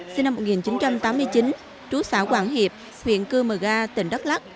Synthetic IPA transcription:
si˧nːa˧mo˨˩t̚ŋi˨˩nt͡ɕi˨˦nt͡ɕa˧mt̪aː˨˦mːɨ˧əjt͡ɕi˨˦n | t͡ɕu˨˦saː˧˩kwaː˧˩ŋhi˨˩əp̚ | hwḭ˧˨ənkɨ˧məː˨˩ɣaː˧t̪ï˧˩ŋ̟ɗə˦˥t̚la˦˥k̚

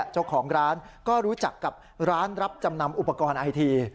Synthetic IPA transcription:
t͡ɕa˥˩wkʰɔː˩˦ŋɾaː˦˥nkɔː˥˩ɾuː˦˥t͡ɕa˨˩kːa˨˩p̚ɾaː˦˥nɾa˦˥p̚t͡ɕa˧mna˧mʔu˨˩pːa˧kɔː˧nʔa˧jt̪ʰiː˧

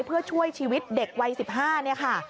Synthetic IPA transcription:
jpʰɯ˥˩ɐt͡ɕʰu˥˩əjt͡ɕʰiː˧wi˦˥t̪̚de˨˩k̚wa˧jsi˨˩p̚ɦaː˥˩ni˥˩ɐkʰa˥˩

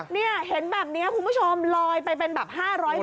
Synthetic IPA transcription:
ni˥˩ɐɦe˩˦nbɛː˨˩p̚ni˦˥ɐkʰu˧nbu˥˩t͡ɕʰo˧mlɔː˧jpa˧jpe˧nbɛː˨˩p̚haː˥˩ɾɔː˦˥j

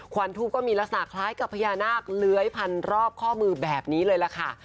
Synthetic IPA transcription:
kʰwa˧nt̪ʰuː˥˩kːɔː˥˩miː˧la˦˥k̚sa˧na̰˨˩kʰlaː˦˥jka˨˩pʰːa˧jaː˧naː˥˩k̚lɯ˦˥əjpʰa˧nɾɔː˥˩p̚kʰɔː˥˩mɯː˧bɛː˨˩p̚niː˦˥lɤː˧jla˨˩kʰa˥˩

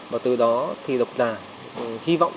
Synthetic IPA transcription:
maː˨˩t̪ɨ˨˩ɗɔ˨˦t̪ʰi˨˩ɗə˨˩wk͡p̚zaː˨˩ | hi˧va̰˧˨wŋ͡m

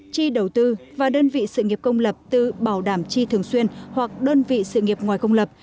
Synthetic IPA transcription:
t͡ɕi˧ɗə˨˩wt̪ɨ˧vaː˨˩ɗəː˧nvḭ˧˨sɨ̰˧˨ŋi˨˩əp̚kə˧wŋ͡mlə˨˩p̚t̪ɨ˨˩ɓaː˧˩wɗaː˧˩mt͡ɕi˧t̪ʰɨ˨˩əŋswi˧ənhwa˨˩k̚ɗəː˧nvḭ˧˨sɨ̰˧˨ŋi˨˩əp̚ŋwaː˨˩jkə˧wŋ͡mlə˨˩p̚

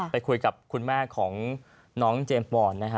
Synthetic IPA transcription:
pa˧jkʰu˧jka˨˩p̚kʰu˧nmaː˥˩kʰɔː˩˦ŋ | nɔː˦˥ŋt͡ɕeː˧mmɔː˧˩nna˦˥kʰa˦˥

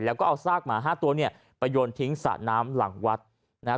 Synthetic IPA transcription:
lɛː˦˥wkɔː˥˩ʔa˧wsaː˥˩k̚maː˩˦ɦaː˥˩t̪u˧ɐni˥˩ɐ | pa˧joː˧nt̪ʰi˦˥ŋsa̰˨˩naː˦˥mla̰˨˩˦ŋwa˦˥t̪̚ | na˦˥

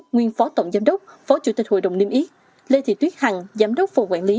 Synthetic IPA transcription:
ŋwi˧ənfɔ˨˦t̪ə̰˧˨wŋ͡mzaː˨˦mɗə˦˥wk͡p̚fɔ˨˦t͡ɕṵ˧˩t̪i˨˩t̟̚ho̰˧˨jɗə̰˧˨wni˧əmʔi˨˦˥t̚ | le˧t̪ʰḭ˧˨˩t̪wi˦˥t̚ha˨˩ŋzaː˨˦mɗə˦˥wk͡p̚fə˨˩ŋ͡mkwaː˧˩nli˨˦

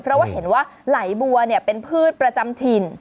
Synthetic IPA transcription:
pʰɾɔ˦˥waː˥˩ɦe˩˦nwaː˥˩la˩˦jbu˧ɐni˥˩ɐpe˧npʰɯː˥˩t̪̚pɾa˧t͡ɕa˧mt̪ʰiː˧n

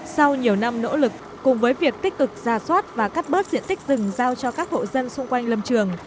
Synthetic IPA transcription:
sa˧wɲi˨˩əwna˧mno̰˧˥lɨ˨˩kːʊ˨˩ŋ͡mvəː˨˦jvi˨˩ək̚t̪ï˦˥k̟̚kɨ˨˩k̚z̥aː˨˩swaː˦˥t̚vaː˨˩ka˦˥k̚ɓəː˦˥t̚zḭ˧˨ənt̪ï˦˥k̟̚zɨ˨˩ŋzaː˧wt͡ɕɔ˧kaː˦˥k̚ho̰˧˨zə˧nsʊ˧ŋ͡mkwa˧jŋ̟lə˧˩mt͡ɕɨ˨˩əŋ

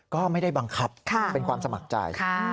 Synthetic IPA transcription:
kɔː˥˩ma˥˩jda˥˩jba˧ŋkʰa˦˥p̚kʰa˥˩pe˧nkʰwaː˧msa˧ma˨˩k̚t͡ɕa̰˧jkʰ

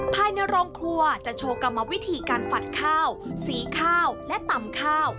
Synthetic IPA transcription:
pʰaː˧jna˧jɾɔː˧ŋkʰlu˧ɐt͡ɕa˨˩t͡ɕʰoː˧ka˧mːa˧wi˦˥t̪ʰiː˧kaː˧nfa˨˩t̪̚kʰaː˥˩wsiː˨˩kʰaː˥˩wlɛ˦˥t̪a˨˩mkʰaː˥˩w

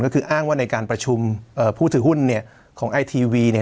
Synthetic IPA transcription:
nkɔ˥˩kʰɯː˧ʔaː˥˩ŋwaː˥˩na˧jkaː˧npɾa˧t͡ɕʰu˧mʔɤː˨˧˩pʰuː˥˩ɯː˩˦hu˥˩nːi˥˩ɐə | kʰɔː˩˦ŋʔa˧jt̪ʰiː˧wiː˧ni˥˩

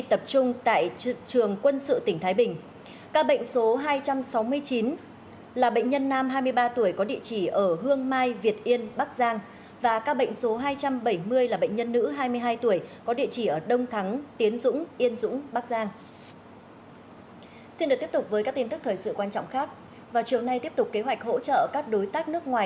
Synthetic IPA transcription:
t̪ə˨˩p̚t͡ɕʊ˧ŋ͡mt̪a̰ː˧˨jt͡ɕɨ˨˩əŋkwə˧nsɨ̰˧˨t̪ï˧˩ŋ̟t̪ʰaː˨˦jɓï˨˩ŋ̟ | kaː˧ɓə̰˧˨jŋ̟so˨˦ɦaː˧jt͡ɕa˧msa˨˦wmɨ˧əjt͡ɕi˨˦n | laː˨˩ɓə̰˧˨jŋ̟ɲə˧nːaː˧mɦaː˧jmɨ˧əjɓaː˧t̪u˧˩əjkɔ˨˦ɗḭ˧˨ət͡ɕi˧˩ʔəː˧˩ɦɨ˧əŋmaː˧jvi˨˩ət̚ʔi˧ənɓa˦˥k̚zaː˧ŋ | vaː˨˩kaː˧ɓə̰˧˨ŋ̟so˨˦ɦaː˧jt͡ɕa˧mɓə˧˩jmɨ˧əjlaː˨˩ɓə̰˧˨ŋ̟ɲə˧nːɨ̰˧˥ɦaː˧jmɨ˧əjɦaː˧jt̪u˧˩əjkɔ˨˦ɗḭ˧˨t͡ɕi˧˩ʔəː˧˩ɗə˧wŋ͡mt̪ʰa˨˦ŋt̪i˨˦ənzʊ̰˧˥ŋ͡mʔi˧ənzʊ̰˧˥ŋ͡mɓaː˦˥k̚zaː˧ŋ | si˧nɗɨ˨˩k̚t̪i˦˥p̚tʊ˨˩k͡p̚vəː˨˦jkaː˦˥k̚t̪i˧nt̪ɨ˦˥k̚t̪ʰːjsɨ̰˧˨kwaː˧nt͡ɕɔ̰˧˨ŋ͡mxaː˦˥k̚ | vaː˨˩wt͡ɕi˨˩əwna˧jt̪i˦˥əpt̪ʊ˨˩k͡p̚ke˨˦ɦwa˨˩k̟̚ho̰˧˥t͡ɕə̰ː˧˨kaː˦˥k̚ɗo˨˦jt̪aː˦˥k̚nɨ˦˥ək̚ŋwaː˨˩

